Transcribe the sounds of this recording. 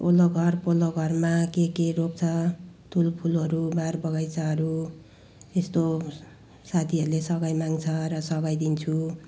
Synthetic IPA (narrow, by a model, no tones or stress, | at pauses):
oloɡʱʌrpoloɡʱʌrmakekerok̚t͡sʰʌt̪ʰulpʰulʌɾubarbʌɡajt͡sʌɦʌɾu | est̪o | sat̪ʰiɦʌɾulesʌɡajmaŋt͡sʰʌɾʌsʌɡajd̪int͡sʰu